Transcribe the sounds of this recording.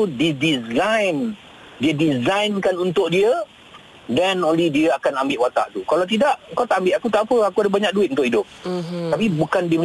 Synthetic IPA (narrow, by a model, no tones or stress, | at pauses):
udidizajn | diədizajnkanunt̪ʊʔ̚diə | danonlidiəakanambɪʔwat̪a̰ʔt̪ukalawt̪̬idaʔŋkawt̪aʔambɪʔ̪akut̪aʔpəakuadəbaɲãk̚duɪt̪̚unt̪ʊʔidʊp̪̚apibukandiəm